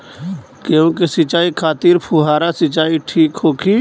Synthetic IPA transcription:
keũkesɪt͡ʃaːikʰaːt̪iɾpʰuɦaːɾasɪt͡ʃaːiʈʰiːkhoːkʰiː

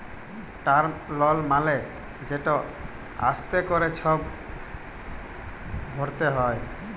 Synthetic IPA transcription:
ʈaɾlɔlmale | d͡ʑeʈɔ | a̰st̪ekoɾet͡ɕʰɔb | bʱɔɾt̪eɦɔe

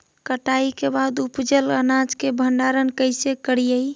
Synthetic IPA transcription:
kəʈaikebad̪upd͡ʒələnad͡ʒkebʱəɳɖaɾənkəɪsekəɽijəj

